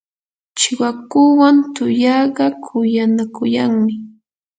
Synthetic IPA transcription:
t͡ʃɪwakuwant̪ʊjɑɢɑkʰʊjanakʊjaŋmɪ

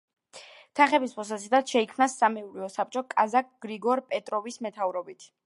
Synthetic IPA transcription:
t̪ʰaχɛbispʰɔs̬asid̪at̪ʃɛikʰmnasːamɛuɾiɔsap̚t͡ʃʼɔkʼazak̚ɡ̥ɾiɡɔɾpʼɛt̪ʼɾɔvismɛt̪ʰavɾɔbit̪ʰ

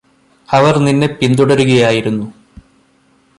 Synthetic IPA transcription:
ɐʋɐrninːe̞pind̪uɽɐɾuɣɐjaːjiɾunːu

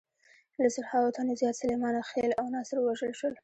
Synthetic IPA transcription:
lasaɾhɑwot̪ʰanazjɑt̪salemɑnaxelawnɑsɪɾwaʒəlʃwəl

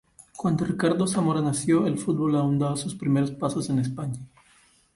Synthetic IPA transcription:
kwand̪orikaɾðosamoɾanasjoelfut̪̚bolaũnd̪asuspɾimeɾospasosenes̬paɲa

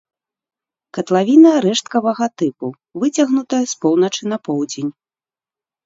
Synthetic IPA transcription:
kɐt̪lˠavʲinɐɾɛʂt̪kɐvɐɣɐt̪ɨpu | vɨt͡sʲɐɣnut̪ɐjɐspɔwnɐt͡ʂɨnɐpɔwd͡zʲenʲ

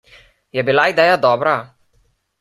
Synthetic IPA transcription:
jɛbilaid̪ɛːjad̪ɔːbɾa

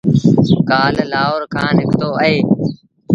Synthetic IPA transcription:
kaːllaːɦoːɾkʰãːnɪkʰt̪oːəɦeː

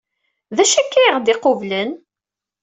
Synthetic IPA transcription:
ðæʃækːæʁd̪ɪqovlən

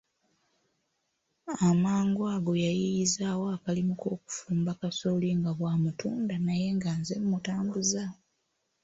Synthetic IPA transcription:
amaːŋɡoaɡo̞jajijizawoakalimuko̞ːku̥fuːmbakasoliŋɡaβwaːmutuːndanaje̞ŋɡanzemumutaːmbuza

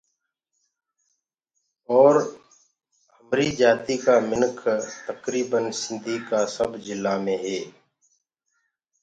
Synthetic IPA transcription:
ɔːɾ | həmɾiːd͡ʒaːt̪iːkaːmɪnkʰt̪əkɾiːbənsɪ̃nd̪ʱiːkaːsəbd͡ʒɪlːaːmẽːɦeː

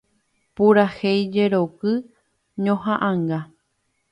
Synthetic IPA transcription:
puɾahejd͡ʒeɾokɨ | ɲõɦãʔãŋɡa

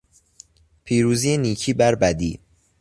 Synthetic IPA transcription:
pʰiːɾuːziːeniːcʰiːbæɾbæd̪ḭː

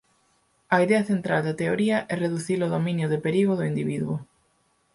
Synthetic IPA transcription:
ɐiðɛɐθent̪ɾald̪ɐt̪eoɾiɐʔɛreðuθiloðomĩnjʊðɪpeɾiɣʊðʊind̪iβiðuʊ

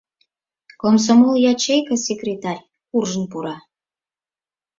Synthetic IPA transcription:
koms̬omoljɑt͡ɕejkəsʲekrʲet̪ɑrʲ | urʒənpuɾɑ

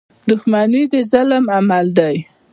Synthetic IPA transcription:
d̪ʊxmanid̪əzalmamald̪aj

